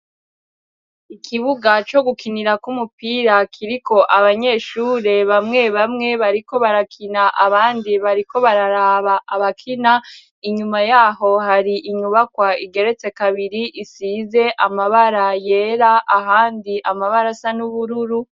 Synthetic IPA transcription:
ikʰiβuɡat͡ʃo̞ɡukiniɾakumupiːɾakʰiɾiko̞ʔaβaɲe̞ːʃuːɾe̞βamŋe̞βamŋe̞βaɾiko̞βaɾakʰinaʔaβaːndiβaɾiko̞βaɾaɾaːβaʔːβakʰina | iɲumajaːho̞haɾiʔiɲuβakwaiɡe̞ɾe̞t͡se̞kaβiɾiʔisiːze̞ʔamaβaɾaje̞ɾaʔahaːndiʔamaβaɾasanuβuɾuɾu

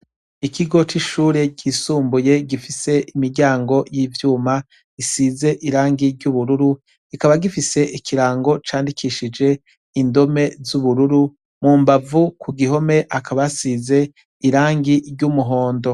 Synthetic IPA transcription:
ikʰiɡo̞t͡ʃiʃuːɾe̞ɟisuːmbuje̞ɡifise̞ʔimiɾɟaːŋɡo̞jiːvjuːma | isize̞ʔiɾaːŋɡiɾɟuβuɾuɾu | ikaβaɡifise̞ʔikʰiɾaːŋɡo̞t͡ʃaːndikʰiʃid͡ʒe̞ | indo̞me̞zuβuɾuɾu | mumbavukuɡiɦo̞me̞ʔakʰaβasize̞ | iɾaːŋɡiɾɟumuɦo̞ːndo̞

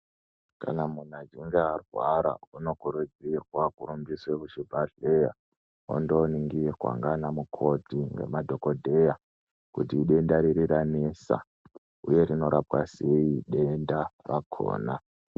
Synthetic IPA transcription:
kanamun̤ad͡ʒiŋɡearrwaɾa̰uno̞kuɾud͡zirwakuɾumbiswekuʃibʱaɮeja | o̰ndoniŋɡirwa̰ŋɡanamukʰo̞dʱiŋɡe̞̰madʱo̞ko̞dʱe̞ja | kutiːɗe̞ndaɾiɾiɾanesa̰ | uje̞rino̞ɾap̚wase̞iɗe̞ndarakʰo̰ːna

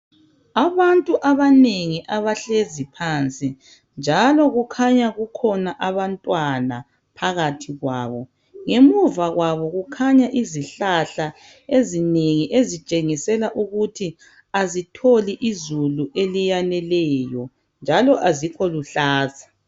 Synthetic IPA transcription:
aβantʼuʔaβaneŋiʔaβaɬezipʰant͡sʼi | nd͡ʒʱalɔɣukʰaɲaɣukʰɔnaʔaβantʼwana̰ | pʰaɣatʰiɣwa̰ːβɔ | ŋemuvaɣwaβɔɣukʰaɲaʔiziɬaɬa | ezineŋiʔezit͡ʃʼeŋisɛlaʔuɣutʰi | azitʰoliʔizuluʔelijanɛlɛjɔ | nd͡ʒʱalɔʔazikʰɔluɬaːzḁ

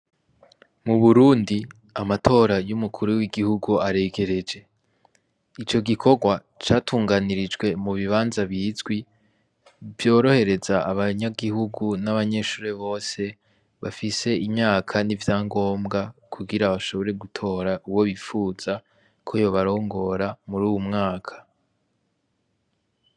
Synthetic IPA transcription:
muβuɾuːndi | amatʰo̞ːɾajumukʰuɾuwiɡihuɡuaɾe̞ːɡe̞ɾe̞d͡ʒe̞ | it͡ʃo̞ɡikʰo̞ɡwa | t͡ʃaːtʰuːŋɡaniɾid͡ʒɡwe̞muβiβaːnzaβjizɡwi | vjo̞ːɾo̞he̞ɾe̞zaːβaɲaɡihuɡunaβaɲe̞ːʃuːɾeβo̞ːse̞ | βafise̞imɲaːkʰanivjaːŋɡo̞ːmɡakʰuɡiɾaβaʃo̞βo̞ɾe̞ɡutʰo̞ːɾaʔuwo̞βifuːz̥a | kʰojoβaɾo̞ːŋɡo̞ɾamuɾuːwumŋaːkʰḁ

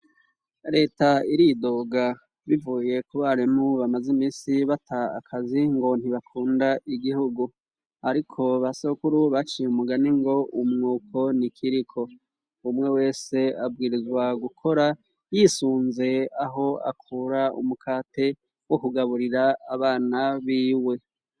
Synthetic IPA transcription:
ɾe̞ːtaiɾido̞ːɡa | βivuːje̞kuβaɾimuβamazimiːsiβatʰa̰ːkʰaziŋɡo̞n̥hiβakʰuːndaʔiɡihuɡu | aɾikʰo̞βasokuɾuβat͡ʃiumuɡaniŋɡo̞umŋuːkʰo̞nikʰiɾikʰo̞ | umŋe̞we̞ːse̞abɡiːɾizwaɡukʰo̞ɾa | jiːsuːnze̞aɦo̞a̰kʰuɾaṵmukʰaːtʰe̞ | wo̞kuɡaβuɾiɾaaβaːnaβiːwe̞

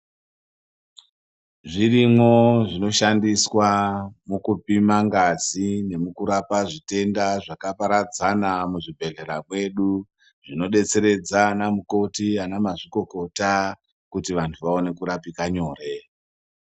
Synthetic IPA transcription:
ʐirimwo̞ʐino̞ʃandiswamukupimaŋɡad͡zine̞mukuɾapaʐite̞ndaʐakapaɾad͡zanamuʐibʱe̞ɮe̞ɾamwe̞ɗu | ʐ̥ino̞ɗe̞t͡se̞ɾe̞d͡zanamuko̞tianamaʐiko̞ko̞ta | kutiʋantʰuʋao̞ne̞kuɾapikaɲo̞ːre̞

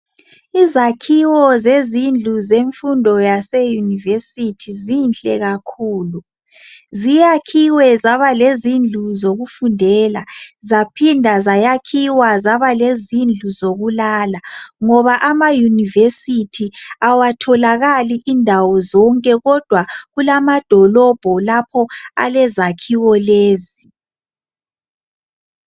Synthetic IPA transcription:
izakʰiwɔzezind͡ɮʱuzeɱfundʱɔjasejunivesitʰizint͡ɬʼɛɣakʰuːlu | zijakʰiwɛzaβalezind͡ɮʱuzoɣufundʱɛlazapʰindʱazajakʰiwazaβalezind͡ɮʱuzoɣulalaŋɔβaʔamajunivesitʰiawatʰɔlaɣaliʔindʱawɔzɔŋkʼɛɣɔd̥ʱwaɣulamad̥ʱɔlɔb̥ʱɔlapʰɔa̰lɛzakʰiwɔleːzi

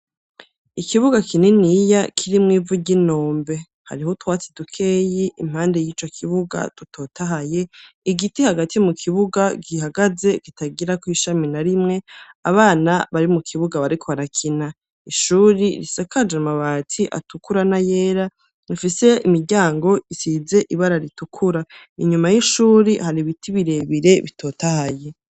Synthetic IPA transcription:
ikʰiβuɡakʰinenijakʰiɾimŋiːvuɟino̞ːmbe̞ | ha̰ɾihotwaːt͡sidukʰe̞ːjiʔim̥haːnde̞jiːt͡ʃo̞kʰiβuɡa̰tutʰo̞ːtʰaɦaje | iɡitihaɡatijomukʰiβuɡaɡiɦaɡaze̞ɡitʰaɡiɾakwiʃaminaɾimŋe̞aβaːnaβaɾimukʰiβuɡaβaɾikʰoβaɾakʰina | iʃuːɾiɾḭsakad͡ʒamaβaːtʰiʔa̰tukuɾanajeːɾa | ifise̞imiɾɟaːŋɡo̞isize̞ʔiβaɾaɾitukʰuɾa | iɲumajiʃuːɾihaɾiβitʰiβiɾe̞βiɾe̞βitʰo̞ːtahaje̞

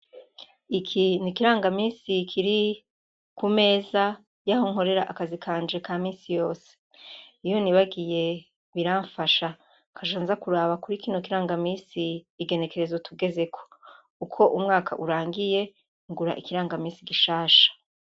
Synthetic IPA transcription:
ikʰinikiɾaːŋɡamiːnsikʰiɾi | kume̞ːza | jahoŋɦo̞ɾe̞ɾa̰ʔakazikʰaːnd͡ʒe̞kʰaːmiːnsijo̞ːse̥ | ijo̞niβaɡije̞ | βiɾaːɱfaʃa | kʰaʃaːnzakuɾaβakuɾikiːnokiɾaːŋɡamiːsiːɡe̞ne̞ke̞ɾe̞zotuɡe̞ze̞kʰo̥ | ukʰo̞ʔumŋaːkʰa̰ʔuɾaːŋɡije̞ | ŋɡuɾa̰ʔikiɾaːŋɡamiːsiɡiʃaːʃḁ

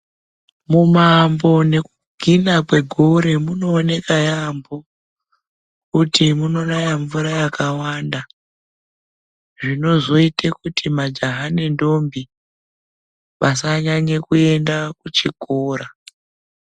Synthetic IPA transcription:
mumambo̞ne̞ku | ɡʱinakwe̞ɡʱoɾe̞muno̞ːne̞kajambo̞ | kutimuno̞rajaɱvuɾajakawaːnda | ʐino̞zo̞itekutʰimad͡ʒaɦane̞ndo̞mbi | ʋasaɲaɲe̞kue̞ndakut͡ʃikoːɾa

